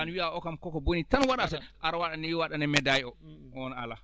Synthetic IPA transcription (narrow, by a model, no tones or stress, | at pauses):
anwiʔaʔɔkamkɔkɔbonitanwaɗasɛʔaɾwaɗanɛjiwaɗanɛmɛdajiɔɔɔna̰la